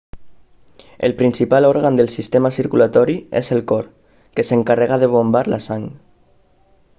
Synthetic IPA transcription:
ḛlpɾinsipalɔɾɣand̪əlˠsist̪emasiɾkulat̪ɔɾiḛzelkɔɾ | keseŋkareɣaðeβ̞ombaɾlasaŋ

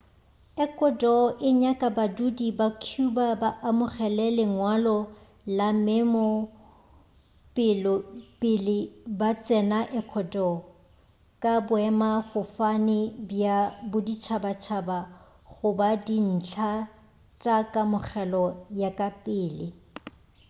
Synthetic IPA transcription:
ɛkʼɔdɔʔɪɲakʼabadudibakʰubabaʔamʊχɛlɛlɪŋwalɔ | lamɛmɔ | pʼɪlɔpʼɪlɪbat͡sʼɛnaʔɛkʰɔdɔ | kʼabʊɛmafʊfanɪbjabʊdit͡ʃʰabat͡ʃʰaba | ɣʊbadin̩t͡ɬʰa | t͡ʃʼakʼamʊχɛlɔjakʼapʼɪːlɪ

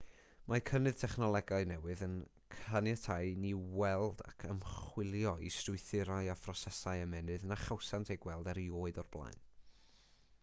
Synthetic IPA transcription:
makʰənɨð̥tʰɛχnɔlˠɛɡaɨnɛwɨðən | kʰanjɛtʰaɨniwɛlˠda̰kʰəmχχwɪlˠjɔistrʊɨθɪɾaɨafrɔsɛsaɨamɛnɨðnaχawsantʰejɡ̥wɛlˠdɛɾioːɨdɔrb̥lˠa̰jn

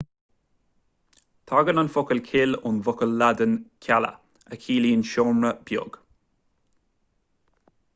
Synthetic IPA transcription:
t̪ʰaɡənanfʊkəlkʰɪlʊnvʊkəlːad̪ənkʲʰalə̰ | əkʰiːliːənʃɔːmɹəb̥jʊ̰ɡ̥

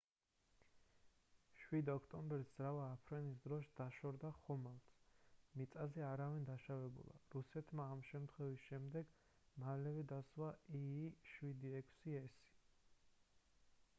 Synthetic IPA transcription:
ʃwid̪ɔkʰt̪ʼɔmbɛɾszɾavaːpʰɾɛnis̬d̪ɾɔʃd̪̥aʃɔɾd̪aχɔmalˠt̪mit̪sʼazɛaɾavind̪aʃavɛbṵlˠa̰ɾusɛt̪ʰmaːmʃɛmt̪ʰχwɛvisʃɛmd̪ɛɡ | malɛvɛd̪aswaiʃwid̪iɛkʰsiɛsi̥

